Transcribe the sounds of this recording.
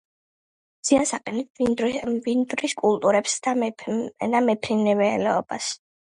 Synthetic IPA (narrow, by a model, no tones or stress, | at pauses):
d̪z̥iansaqʼɛnit̪ʰvind̪ɾiskʼulˠt̪ʼuɾɛpsd̪ | d̪amɛpʰɾinɛvɛːlɛɔbas